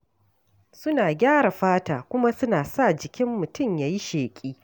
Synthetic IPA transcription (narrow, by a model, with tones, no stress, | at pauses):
sʊ˦naː˨ɡʲaː˦ɽa˨ɸaː˦taː˨kʷʊ˦ma˦sʊ˦naː˨sa˦˨d͡ʒɪ˨kʲɪ˦mːʊ˨tʊ˦˨mjaː˨ji˦ʃeː˨kʲʼiː˦